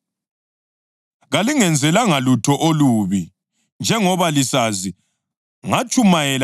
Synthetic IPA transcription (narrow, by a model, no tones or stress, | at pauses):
ɣaliŋɛnd͡zʱɛlaŋalutʰɔʔoluβi | nd͡ʒʱɛŋɔβalisazi | ŋat͡ʃʼumajɛl